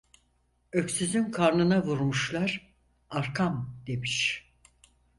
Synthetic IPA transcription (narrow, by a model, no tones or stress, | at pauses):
ø̞ksyzynkʰaɾnɯnavuɾmuʃlˠaɾ | aɾkʰamd̪̥e̞miʃ